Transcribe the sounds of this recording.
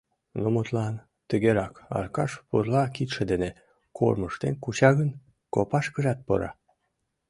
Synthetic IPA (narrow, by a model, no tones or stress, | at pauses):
nomot̪lɑn | t̪əɣeɾɑkɑ̰rkɑʃpurlɑkit̪ʃĕd̪ene | kʰo̰rməʃt̪ḛnkut͡ɕɑɣən | kopɑʃkəʒɑt̪̚po̰ɾɑ̰